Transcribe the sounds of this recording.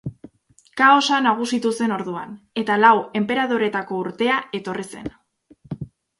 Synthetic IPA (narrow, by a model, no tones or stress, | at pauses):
kao̞sanaɣ̞usit̪use̞no̞ɾðuane̞t̪alawe̞mpe̞ɾað̞o̞ɾe̞t̪ako̞uɾt̪e̞ae̞t̪o̞rise̞̰n